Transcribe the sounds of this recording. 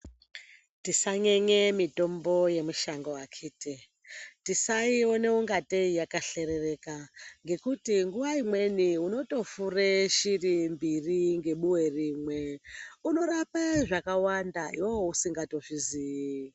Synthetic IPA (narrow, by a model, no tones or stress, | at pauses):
tisaɲeɲemito̞mbo̞je̞muʃaŋɡowakʰiːte | tisaio̞ne̞uŋɡateijakaɬe̞ɾe̞re̞kaŋɡe̞kutiŋɡuʋaimwe̞niuno̞to̞fureʃirimbiriŋɡe̞ɓuwe̞riːmwe̞uno̞rapaʐakawandaiwoousiŋɡato̞ʐiziːi